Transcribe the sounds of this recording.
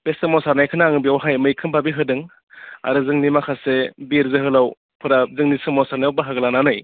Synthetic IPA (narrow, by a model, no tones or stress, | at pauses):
pesɯmɔsaɾnajkʰɯnaŋɯbiawɦajmɯjkʰɯmpʰabiɦɯdɯŋ | a̰ɾɯzɯŋnimakʰasebiɾzɯɦɯlaw | pʰɯɾazɯŋnisɯmɔsaɾnajawbaɦaɡlananɯj